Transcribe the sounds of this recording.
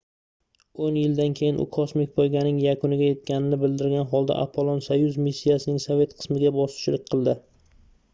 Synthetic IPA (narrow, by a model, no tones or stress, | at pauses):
onjɪld̪ankʲʰe̞jɪnʔʊ̰kʰɒsmɪk̚ʲpʰojɡʲanɪŋjakʰʊnɪɡʲaje̞t̪kʲʰanɪnɪbɪld̪ɪɾɡʲanɦɒlˠd̪a̰ʔa̰pʰolˠonsajʊzmisʲːijasɪnɪŋsove̞t̪qʰɨ̥smɪɡʲabɒsɪ̥t͡ʃlɪk̚ʲqʰɨlˠd̪ɪ